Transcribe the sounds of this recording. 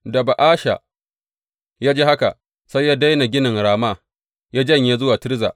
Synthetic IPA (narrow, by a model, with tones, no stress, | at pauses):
dɐ˨ba˨ʔaː˦ʃa̰˨ | jaː˦d͡ʒeː˦ha˦ka˨ | sa˦jːaː˦da˦jna˨ɡʲɪ˦nɪ˨ŋɽaː˨maː˦ | jaː˦d͡ʒɐ˦ɲje˦zʊ˦waː˨tɪ˦ɾza̰ː˨